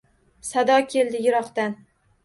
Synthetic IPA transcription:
sad̪ɒkʲʰe̞lˠd̪ɪjʊɾɒqt̪an

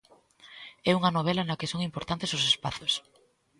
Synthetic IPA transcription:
ɛuŋɐnoβ̞ɛlɐnɐkɪsoŋimpoɾt̪ant̪esʊsespaθos

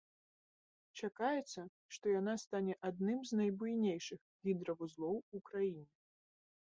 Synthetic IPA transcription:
t͡ʂakajɛt̪sːɐ | ʂt̪ɔjanast̪anʲɛʔad̪̚nɨmznɐjbujnʲejʂɨx | ɣʲid̪ɾɐvuzlˠɔwukɾajinʲɛ

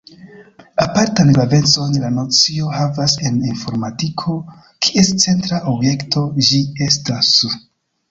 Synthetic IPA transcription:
apaɾtanlave̞nt͡so̞nlano̞t͡sio̞havase̞ninfo̞ɾmatikʰo̞ | kʰie̞st͡se̞ntɾaʔobje̞ktʰo̞d͡ʒie̞stas

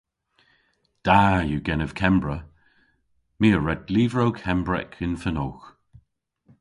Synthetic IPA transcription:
d̥ajuɡɛnəv̥kʰɛmbɹə | miːəɹɛdliːvɹowkʰɛmbɹɛ̰kʰɪnfənoːx

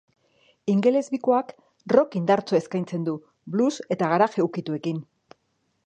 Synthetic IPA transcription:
iŋɡe̞le̞zβiko̞ak | ro̞kind̪aɾt͡so̞e̞skajnt͡se̞nd̪u | bluse̞t̪aɣ̞aɾaʝeukit̪ue̞kin

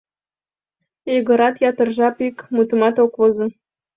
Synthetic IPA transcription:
eɣə̆ɾɑt̪jɑt̪ə̆rʒɑpikmut̪ə̆mɑt̪okβozɤ̆

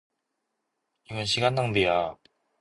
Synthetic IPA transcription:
imɯnɕʰiɡanːaŋbija

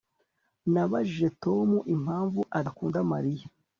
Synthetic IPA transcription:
naβaʒiʒe̞toːmuʔimhaːɱvuʔadakuːndamaɾija

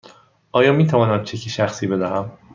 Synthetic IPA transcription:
ʔɒːjɒːmiːt̪ʰævɒːnæmt͡ʃʰecʰiʃæxsiːbe̞d̪æɦæm

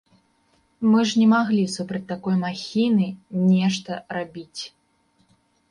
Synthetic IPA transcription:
mɨʐnʲɛmaɣlʲisupɾɐt͡sʲt̪ːakɔjmaxʲinɨnʲɛʂt̪ɐrabʲit͡sʲ

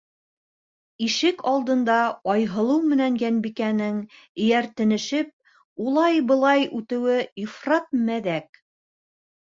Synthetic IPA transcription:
iʃɘkɑlˠd̪ɤ̆nd̪ɑɑjɦɤ̆lˠɤwmɘ̆næŋjænbikænɘŋ | ɘ̆jæɾt̪ɘ̆nɘ̆ʃɘp̚ | ulˠɑjbɤ̆lˠɑjʉt̪ɘ̆wɘifrɑt̪̚mæðæk̚

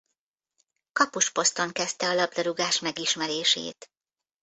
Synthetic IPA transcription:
kɒpoʃpo̞st̪o̞ŋkɛst̪ɛɒlɒb̚d̪ɒɾuɡaːʃmɛɡiʃmɛɾeːʃḛːt̪

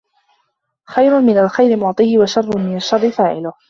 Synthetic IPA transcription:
xajɾʊmɪnalxajɾɪmʊʕt̪ˤɨːhɪwaʃɑrˤːʊnmɪnaʃːɑrˤːɪfaːʕɪlʊh

